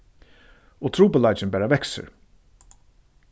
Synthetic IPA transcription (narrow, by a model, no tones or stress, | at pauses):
ɔt̪ʰɾuːpəlaɪt͡ʃɪnbæːɾavɛksə̰ɹ